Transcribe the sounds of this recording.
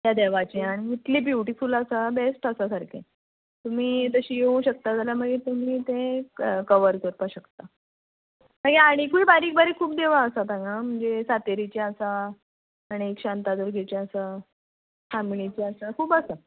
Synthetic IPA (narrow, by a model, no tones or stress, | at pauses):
j̪jad̪eʋat͡ɕiaɽ̃iit̪liːbjuʈifuləsabesʈəsasaɾkʰḛ | t̪um̤iːt̪əɕiːjeũɕək̚t̪ad͡zʱalaməɡet̪umiːt̪ẽkəʋəɾkəɾpaɕəkt̪a | məɡeaɽ̃ikuibaɾiːk̚bəɾekʰuːp̚d̪eʋaəsat̪ãŋɡam̤əɳd͡zesat̪eɾit͡ɕiəsaː | ɽ̃iekɕant̪ad̪əɾɡʱet͡ɕeəsa | famiɳit͡ɕiəsakʰuːpəsa